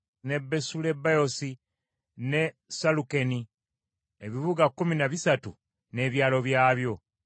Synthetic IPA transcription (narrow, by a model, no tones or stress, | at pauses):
ne̞bːe̞sule̞bajo̞si | ne̞ | saluke̞ni | eβiβuɡakːuminaβisatu | ne̞ːβjaːlo̞βjaːβjo̞